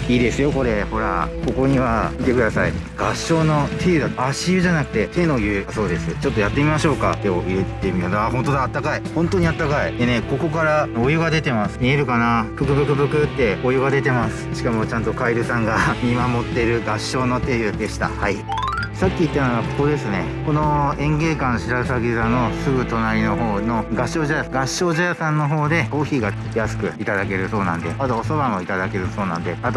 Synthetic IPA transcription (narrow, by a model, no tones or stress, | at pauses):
iːd̪e̞sɨjo̞ko̞ɾe̞ho̞ɾa̰ko̞ko̞ɲ̟iβait̪e̞kɯ̟d̪asaḭ | ɡ̥aɕːo̞ːno̞t̪ʰe̞jɯ̟d̪at̪aɕiɯ̟ʑanakɯ̟t̪e̞t̪e̞no̞ɡʲɯaso̞ːd̪e̞sɨt͡ɕo̞t̪ːo̞jat̪ːe̞mʲimaɕo̞ːka̰t̪eoʔiɾe̞t̪ːe̞mʲiod̪aɦont̪o̞d̪aːt̪ːakaihõ̞nt̪o̞ɲ̟iat̪ːakaid̪e̞ne̞ko̞ko̞kaɾaojɯ̟ɡad̪e̞t̪e̞masɨ̥mʲie̞ɾɯ̟kanak̪okɯ̟d̪okɯ̟zokɯ̟t̪ːe̞ojɯ̟ɡad̪e̞t̪e̞masɨ̥ɕi̥kamo̞t͡ɕãnt̪o̞kaiɾɯ̟sãŋɡamʲimamo̞t̪ːe̞ɾɯ̟ɡaɕːo̞ːno̞t̪eːɯd̪e̞ɕi̥t̪a̰hai | sakʲːiit̪ːanoɡako̥ko̞d̪e̞sɨne̞ | ko̞noẽ̞ŋɡe̞ːkãɕiɾasaɡʲizano̞sɨɡɯ̟t̪o̞naɾʲino̞ɦo̞ːno̞ɡaɕo̞ːʑajaɡaɕːo̞ːʑajasãnːo̞ɦo̞ːd̪e̞ko̞ːçiːɡa | jasɨ̥kɯ̟̰it̪ad̪ake̞ɾɯ̟so̞ːnã̰nd̪e̞at̪oːso̞βãŋ̃oit̪ad̪ake̞ɾɯ̟so̞ːnã̰nd̪e̞at̪o